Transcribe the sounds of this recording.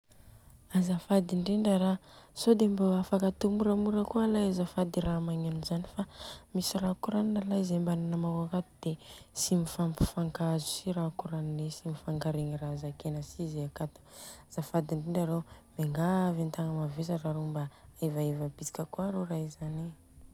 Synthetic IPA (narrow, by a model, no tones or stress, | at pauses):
azafad̪iɳɖ͡ʐiɳɖ͡ʐəɾasod̪embaafakat̪umuɾamuɾəkualajazafad̪iɾamaɲenuzanifamisiɾakuɾaninalajzembananamawakat̪ud̪̥esimifampu̥faŋkazu̥siɾakuɾaninesimifaŋɡaɾeŋirazakenəsizeakat̪u̥z̥afad̪iɳɖ͡ʐiɳɖ͡ʐaɾemeŋɡavint̪aŋəmavezaraɾombaevaevab̥it͡si̥kʲəkuaɾoraizani